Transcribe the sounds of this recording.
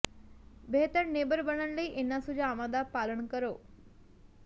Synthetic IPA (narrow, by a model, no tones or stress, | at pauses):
bʱet̪əɾnebəɾbəɽənləiʔenːasud͡ʑaːʋãd̪apaləɳkəɾoː